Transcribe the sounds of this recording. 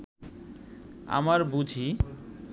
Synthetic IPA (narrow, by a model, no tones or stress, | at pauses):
a̰maɾbud͡ʑʱi